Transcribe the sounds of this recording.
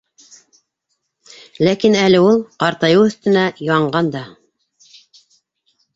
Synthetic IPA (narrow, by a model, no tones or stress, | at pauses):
lækinælɘulˠqɑɾt̪ɑjɤwɵ̆θt̪ɘ̆næjɑɑɴɢɑnd̪ɑ